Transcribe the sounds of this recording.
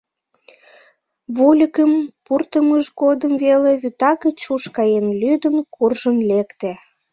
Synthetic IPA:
βulʲəkəmpurt̪əməʒɣod̪əmveleβyt̪ɑkət͡ɕuʃkɑjenlyd̪ənkurʒənlekt̪e

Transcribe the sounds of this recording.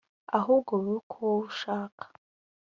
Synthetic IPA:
aɦuɡoβukʰoʃaːkʰḁ

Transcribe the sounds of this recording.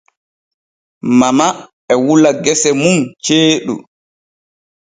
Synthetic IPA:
mama | ɛwulaɡɛsɛmumt͡ʃeːɗṵ

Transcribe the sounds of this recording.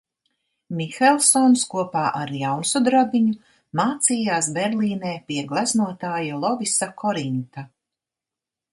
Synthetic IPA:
mixɛlˠsɔnskuɔpaːʔaɾjawnsud̪ɾabiɲu | maːt̪siːjaːsbɛɾlˠiːneːpiɛɡlˠaznuɔt̪aːjalˠɔvisakʰɔɾint̪a

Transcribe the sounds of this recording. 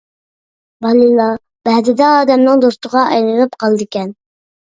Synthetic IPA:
bɑnilɑ | b̥ɛd̪ɪd̪ɛɑːd̪ɛmnɨŋd̪ost̪əʁɑɛ̰jlɨnɨp̚qɑlˠd̪ɨkʲɛn

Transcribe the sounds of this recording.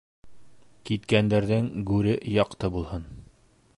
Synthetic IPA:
kit̪kænd̪æɾðɘŋɡʉɾɘjɒqt̪ɤbulˠhɤn

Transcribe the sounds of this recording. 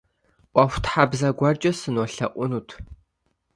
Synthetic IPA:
ʔʷɑxʷtħabzɐɡʷɑrt͡ʃʼɐsɨnoːɬɐ̰ʔʷʊnuːtʰ

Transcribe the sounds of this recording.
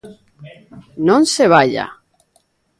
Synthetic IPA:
nõnseβ̞aʎa̰

